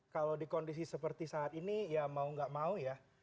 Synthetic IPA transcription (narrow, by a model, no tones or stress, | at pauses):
kalodikɔndis̬isəpərt̪isaːt̪inijamauŋɡaʔmauja